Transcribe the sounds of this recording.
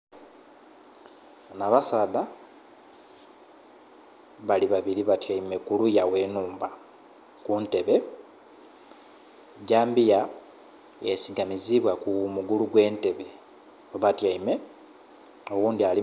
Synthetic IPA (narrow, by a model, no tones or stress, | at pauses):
naβasaːda | βaliβaβiɾiβatjaime̞kulujawe̞ːnuːmba | kunte̞βe̞ | ɟaːmbija | esiɡamiziβwakumuɡuluɡwe̞ːnte̞βe̞ | oβatjaime̞ | o̞wuːndiali